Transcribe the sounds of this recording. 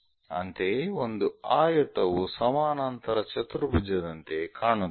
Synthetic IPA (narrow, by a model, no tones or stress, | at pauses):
ɐ̰nt̪eːond̪uaːjɐt̪ɐwusɐmaːnɐnt̪ɐɾɐt͡ʃɐt̪uɾubud͡ʒɐd̪ɐnt̪eːkʰaːɳu